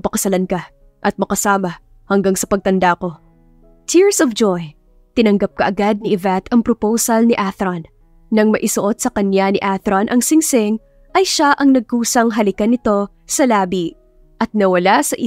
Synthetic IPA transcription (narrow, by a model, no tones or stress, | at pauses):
pɐkɐsɐlankɐ | ʔɐt̪̚mɐkɐsaːmɐ | hɐŋɡaŋsɐpɐɡ̚t̪ɐnd̪ako̞ | t̪ʰiɹsɔvd͡ʒoj | t̪ɪnɐŋɡɐp̚kɐʔɐɡad̪̚niʔɪvɛt̪ɐŋpɾopowsɐlnɪʔaθɾonː | ɐŋmɐʔɪsʊʔo̞t̪̚sɐkɐnjanɪʔaθɾonʔɐŋsɪŋsɪŋ | ʔɐjʃaʔɐŋnɐɡ̚kuːsɐŋɦɐlɪkɐnɪt̪o̞ | sɐlaːbi | ʔɐt̪̚nɐwɐlasɐʔɪ